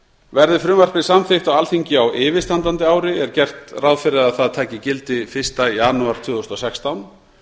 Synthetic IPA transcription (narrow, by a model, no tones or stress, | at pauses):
vɛɾðɪfɾʏːmar̥pɪsamθɪxt̪awalθiɲcɪawʔɪːvɪst̪ant̪ant̪ɪaːwɾɪɛɾ̥cɛr̥t̪rawðfɪɾɪðaðθaðt̪ʰaːcɪcɪlt̪ɪfɪr̥st̪ajaːnuaɾ̥t̪ʰvʏːðɔst̪ɔsɛkst̪awn